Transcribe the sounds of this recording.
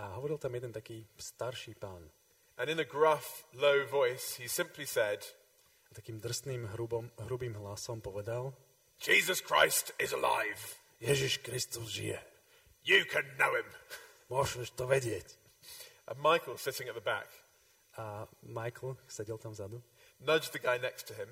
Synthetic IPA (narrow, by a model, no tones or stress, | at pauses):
aɦɔʋɔɾilt̪amjɛd̪ɛnt̪akiːst̪aɾʃiːpaːn | ʔɨ̃nɨ̃nɨɡɹʌfloʊvɔɪshisɪ̃mpʰlisɛd | t̪akiːmd̪r̩st̪niːmɦɾubɔmɦɾubiːmɦlasɔmpɔʋɛd̪al̥ | d͡ʒ̥izəskʰɹ̥a̰ɪstɪzə̰la̰ɪv̥ | jɛʒiʃkɾist̪uzʒḭjɛ̰ | jɨkʰɨ̃nːoʊɪ̃m | mʊɔʒuʃt̪ɔʋɛɟɪɛc | ʔə̰maɪkl̩ˠsɪɾɪ̃ŋɨt̪̚ðəbæ̰k | amajkl̩ˠsɛɟɛlt̪amvzad̪u | nʌd͡ʒðɨɡaɪnɛkstʰɨɪ̃m